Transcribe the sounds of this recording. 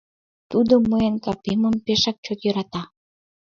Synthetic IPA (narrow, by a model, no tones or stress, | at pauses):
t̪ud̪oməenkɑpeməmpeʃɑk̚t͡ɕot̪jəɾɑt̪ɑ